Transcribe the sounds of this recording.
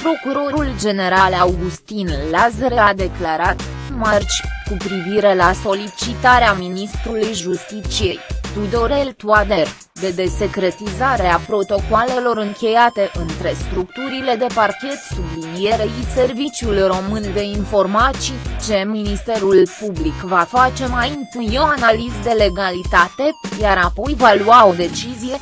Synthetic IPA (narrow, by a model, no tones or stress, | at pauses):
pɾo̞kuɾo̞ɾuld͡ʒe̞ne̞ɾalawɡust̪inlazɾead̪e̞klaɾat̪mart͡ʃʲkupɾiviɾe̞laso̞lit͡ʃit̪aɾeaminist̪ɾulujʒust̪it͡ʃije̞jt̪ud̪o̞ɾelt̪uad̪er | d̪e̞d̪e̞se̞kɾe̞t̪izaɾe̞apɾo̞t̪o̞kwale̞lo̞ɾɨŋkʲe̞jat̪e̞ʔɨnt̪ɾe̞st̪ɾukt̪uɾile̞d̪e̞parkʲe̞t̪sublinije̞ɾeise̞rvit͡ʃʲjulro̞mɨnd̪e̞info̞rmait͡ʃe̞minist̪e̞ɾulpublikvafat͡ʃe̞majint̪unoanalizd̪e̞le̞ɡalit̪at̪e̞jaɾapo̞jvaluao̞d̪e̞t͡ʃizije̞